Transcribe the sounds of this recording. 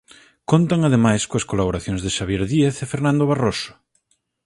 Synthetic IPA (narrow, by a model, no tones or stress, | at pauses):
kont̪aŋaðemajskoɐskolaβoɾaθjoŋzðeʃaβjeɾðieθefeɾnãnd̪oβarosʊ̥